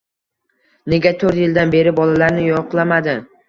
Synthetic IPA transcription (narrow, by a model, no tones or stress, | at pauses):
ne̞ɡʲat̪ʰɵɾt̪jɪld̪anbe̞ɾɪbɒlalaɾnɪjɒqlˠamad̪ɪ